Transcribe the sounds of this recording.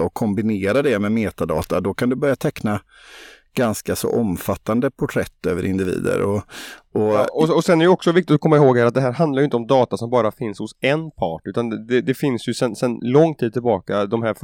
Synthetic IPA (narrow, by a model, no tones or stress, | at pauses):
ɔkʰɔmbɪneːɾad̪ɛmɛmeːt̪ad̪ɑ̰ːt̪a̰d̪ɔkʰand̪ɵbœɾjat̪ʰɛkna | ɡ̥anskasɔ̰ʔɔmfat̪ːand̪əpʰʊʈʰɾɛt̪ːø̰ːvə̰ɾɪnd̪ɪvḭːd̪ə̰ɾɔɔɔɔsɛnæɾɛjəɔksɔvɪk̚t̪ɪt̪ɔkʰɔmːaɪɦoːɡhæːɾat̪d̪ɛɦæːɾɦand̪laɾjʏɪnt̪əɔmd̪ɑːt̪asɔmbɑːɾafɪnshʊsɛnpʰɑːʈʉ̟ːt̪and̪ɛd̪ɛfɪnsjɵsɛnsɛnlɔŋːt̪ʰiːd̪t̪ʰɪlbɑːkad̪ɔmɦæːɾf